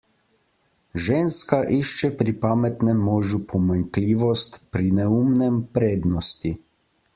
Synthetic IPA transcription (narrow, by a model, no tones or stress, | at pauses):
ʒeːnskaʔiʃt͡ʃɛpɾipaːmɛt̪nɛmːɔːʒupʰɔmaŋkliːʋɔst̪pɾinɛumnɛmpɾeːd̪nɔst̪i